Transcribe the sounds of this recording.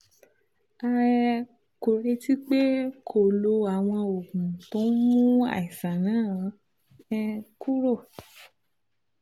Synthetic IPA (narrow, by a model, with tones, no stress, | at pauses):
a˧ɛ˧ | ko˨ɾe˧ti˦k͡pe˦kʰo˨lo˧a˨w̃ɔ̃˧o˨ɡũ˨tõ˨˦mũ˦a̰˦˨i˨sã˨nã˨˦˨ | ɛ˧ku˦ɾo˦˨